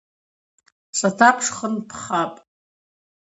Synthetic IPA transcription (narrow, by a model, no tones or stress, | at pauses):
satʰapʰʂχənpʰχapʼ